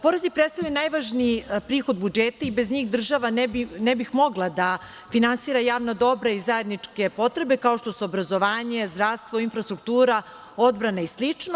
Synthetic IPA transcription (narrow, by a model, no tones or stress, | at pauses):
poɾezipɾet̪st̪ajujenajʋaʒnipɾiːxo̞d̪̚bud͡ʒeːt̪aibe̞zɲiːxd̪r̩ʒaʋanbinebixmo̞ɡlˠad̪a | finansiːɾajaːʋnad̪o̞bɾaizajed̪nit͡ʂke̞po̞t̪ɾe̞be̞kao̞ʃt̪o̞suobɾazo̞ʋaːɲezd̪ɾaʋst̪ʋoinfɾast̪ɾuk̚t̪uːɾa | o̞d̪bɾanaislit͡ʂno